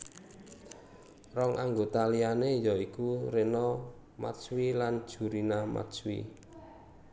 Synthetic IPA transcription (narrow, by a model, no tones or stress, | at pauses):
rɔŋʔaŋɡot̪alianejɔikurenɔ | ma̰swiland̥ʒ̥ṳɾinama̰t͡ʃwḭ